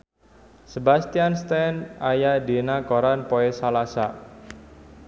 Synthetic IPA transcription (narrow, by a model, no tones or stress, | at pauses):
səbast̪ianst̪ɛnajadenakoɾanpoesalasa